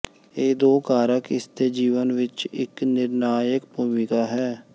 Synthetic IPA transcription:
eːd̪oːkaːɾəkɪst̪eːd͡ʒiːʋənʋɪt͡ʃɪknɪɾnaːjəkbuːmɪkaːɦɛː

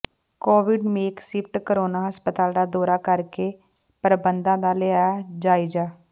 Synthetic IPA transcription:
koːʋɪɖmeːksɪpʰʈkəɾoːnaːɦəspət̪aːld̪aːd̪ɔːɾaːkəɾkeː | pɾəbənd̪ãːd̪aːlɪaːaːd͡ʒaːid͡ʒaː

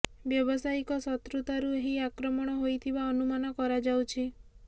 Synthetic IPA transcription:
bjɔbɔsaikɔsɔt̪ɾut̪aɾueɦiakɾɔmɔɽ̃ɔɦojt̪ʰibaɔnumanɔkɔɾad͡ʒawt͡ʃʰi

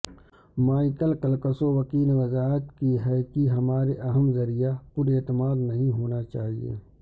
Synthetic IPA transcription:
maːɪkəlkɐlkəsoʋɐkiːlʋɐzaːɦət̪kiɦɛkiɦɐmaːɾeʔɐɦəmzɐɾijapʊɾeːt̪əmaːd̪nɐɦĩɦoːnat͡ʃaːɦiḛː

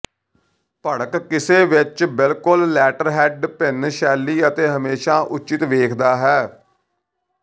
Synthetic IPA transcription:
pəɽəkkɪseːʋɪt͡ʃbɪlkʊlːɛːʈəɾɦɛːɖpɪnʃɛːlːiːət̪eːɦəmeːʃaːʔʊt͡ʃɪt̪ʋeːkʰd̪aːɦɛː

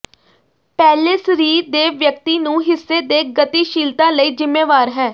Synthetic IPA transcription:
pɛːleːsɾiːd̪eːʋjək̚t̪iːnũːɦɪsːeːd̪eːɡət̪iːʃiːlt̪ãːləiːzɪmːeːʋaːɾɦɛː

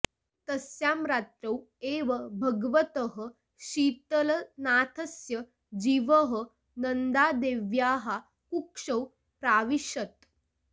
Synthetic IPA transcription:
t̪əsjamɾaːt̪ɾɐw | eʋɐbʱɐɡʋət̪əɦə | ɕiːt̪əlɐnaːt̪ʰəsjə | d͡ʑiːʋəɦə | nənd̪aːd̪eʋjaːɦa | kukʂɐw | pɾaːʋiɕət̪

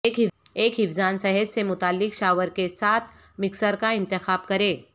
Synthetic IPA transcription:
eːkɦɪeːkɦɪfzaːnsɛɦəd͡ʒsemʊt̪aːlːɪkʃaːʋəɾkesaːt̪ʰ | mɪksəɾkaɪ̃nt̪ɪxaːb̚kɐɾeː

